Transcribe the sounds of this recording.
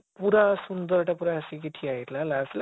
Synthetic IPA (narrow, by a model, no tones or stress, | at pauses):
puɾasund̪ʌɾʈapuɾasikiʈʰiajɾlalasil